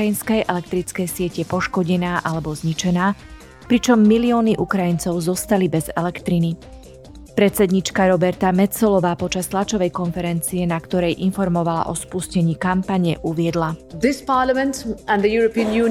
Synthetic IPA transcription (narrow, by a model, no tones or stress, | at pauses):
jinskɛjʔɛlɛkt̪ɾit͡skɛjsɪɛcɛpɔʃkɔɟɛnaːʔalɛbɔzɲit͡ʃɛnaː | pɾit͡ʃɔmːiliɔːniʔukɾajint͡sɔʊzɔst̪alibɛzɛ̰lɛkt̪ɾini | pɾɛt̪t͡sɛd̪ɲit͡ʃkaɾɔbɛɾt̪amɛt͡sɔlɔʋaːpɔt͡ʃast̪lat͡ʃɔʋɛjkɔnfɛɾɛnt͡siɛnakt̪ɔɾɛjʔinfɔɾmɔʋala̰ʔɔspuscɛɲiːkampaɲɛ̰ʔuʋɪɛd̪lad̪ɪspaːlamɛ̃ntæ̃nd̪əjuːɾəpiːə̃njuː